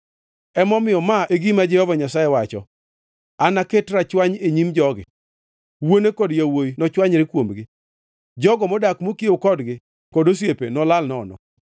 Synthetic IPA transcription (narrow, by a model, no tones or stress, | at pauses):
ɛmɔmɪjɔmaeɡimad͡ʒɛhɔvaɲasajewat͡ʃɔ̰ | anaketɾat͡ʃwaɲeɲimd͡ʒɔɡɪ̰ | wonekɔdjawojinɔt͡ʃwaɲɾɪkwomɡɪ | d͡ʒɔɡɔmɔdakmokiokɔdɡɪ | kɔdos̬jepenɔlalnɔnɔ̰